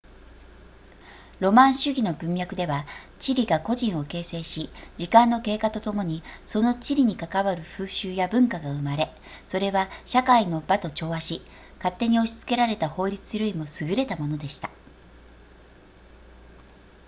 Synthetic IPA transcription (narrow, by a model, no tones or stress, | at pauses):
ɾo̞mãɰ̃ɕɨɡʲino̞bɯ̟̃m̃jakɯ̟d̪e̞βa | t͡ɕiɾʲiɡako̞ʑĩɰ̃o̞ke̞ːse̞ːɕid͡ʑikãnːo̞ke̞ːkat̪o̞t̪o̞mo̞ɲ̟iso̞no̞t͡ɕiɾʲiɲ̟ikakaβaɾɯ̟ɸɯ̟ːɕɨːjabɯ̟̃ŋkaɡaɯ̟maɾe̞ | so̞ɾe̞βaɕakaino̞bat̪o̞t͡ɕo̞ːβaɕi | kat̪ːe̞ɲ̟io̞ɕi̥t͡sɨ̥ke̞ɾaɾe̞t̪aho̞ːɾʲit͡sɨjɾoimo̞sɨɡɯ̟ɾe̞t̪amo̞no̞d̪e̞ɕi̥t̪ḁ